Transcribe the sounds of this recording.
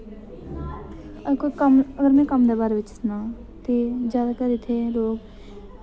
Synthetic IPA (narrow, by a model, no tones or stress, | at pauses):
əkoikəməɡəɾmɛ̃ːkəmd̪eːbaːɾʋɪt͡ʃnãːt̪eːd͡ʒjaːd̪akəɾɪt̪ʰːeːloːɡ